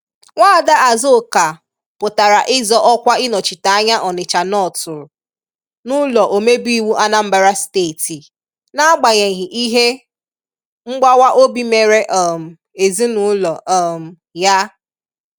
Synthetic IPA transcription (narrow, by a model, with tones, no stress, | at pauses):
ŋʷaː˦˨da˦ʔa˨zo˦˨ka˨ | pʊ˨ta˨ɾa˨ʔɪ˦zɔ˦ʔɔ˦kʷa˦ɪ˦nɔ˨t͡ʃɪ˨ta˨a˦ɲa˦ʔɔ˨nɪ˨t͡ʃa˨nɔ˦˨tʊ˨ɾʊ˨ | nʊ˦lɔ˨ʔo˨me˦bi˦wu˦ʔa˦na˦m̩˦ba˨ɾa˦steː˦˨ti˨ | na˦a˦ɡ͡ba˨ɲe˨ɣɪ˨ʔi˦ɦe˦ | ŋ͡m̩˦ɡ͡ba˦wa˦ʔo˦bi˦me˨ɾe˦ʔɔ˨m̩˨ | e˨zi˦nʊ˦lɔ˨ʔɔ˨m̩˨ | ja˦